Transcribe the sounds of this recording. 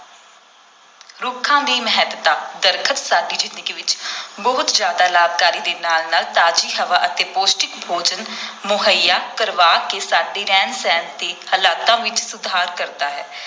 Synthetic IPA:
ɾʊkʰːãːd̪iːməɦət̪t̪ãːd̪əɾkʰət̪saːɖiːd͡ʒɪnɪkiʋɪt͡ʃbəɦʊt̪d͡ʒjaːd̪aːlaːb̚kaːɾiːd̪eːnaːlnaːlt̪aːd͡ʒiːɦəʋaːʔət̪eːpoːsʈɪkbʱoːd͡ʒənmʊɦəjaːkəɾʋaːkeːsaːɖeːɾɛːnsɛːnt̪eːhəlaːt̪ãːʋɪt͡ʃsʊd̪ʱaːɾkəɾd̪aːɦɛː

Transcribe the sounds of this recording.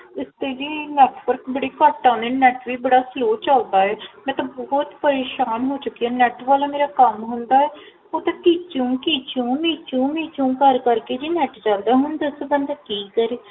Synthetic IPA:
ɪst̪eːd͡ʒiːnɛːʈʋəɾkbəɽiːkəːʈːãːneːnɛːʈʋiːbəɽaːsloːt͡ʃald̪aːɛːmɛ̃t̪abɔɦt̪pəɾeːʃaːnɦoːt͡ʃʊkːiɛːnɛːʈʋaːlaːmeːɾaːkəmɦʊnd̪aːɛː | oːt̪ãːkiːt͡ʃũːkiːt͡ʃũːmiːt͡ʃũːmiːt͡ʃũːkəɾkəɾkeːd͡ʒiːnɛːʈd͡ʒãːnd̪aːɦʊnd̪əsbənd̪aːkiːkəɾeː

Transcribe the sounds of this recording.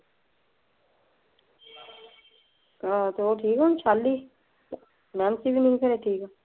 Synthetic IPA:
ãt̪ooʈʰiːkɛʊnt͡ʃʰaːlːiː | nãːnsibʱinɐ̃ĩkəɾeːʈʰiːkɛː

